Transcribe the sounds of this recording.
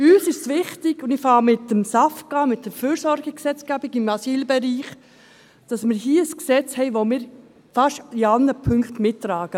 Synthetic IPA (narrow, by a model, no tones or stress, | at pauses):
yːsɪʃsʋɪχtɪɡ̥ʊndɪfɑːmɪtːəmsɑfkɑmɪt̚d̥əɾfyːɾsɔɾɡəksɛt͡sɡ̥æbɪɡɪmɑsiːlbɛɾiːχ | d̥ɑsmɪːɾɦiəəsksɛt͡shɛɪʋomɪːɾ | fɑʃiɑnəpʰʏŋkχtmɪtːɾɑːɡ̥ə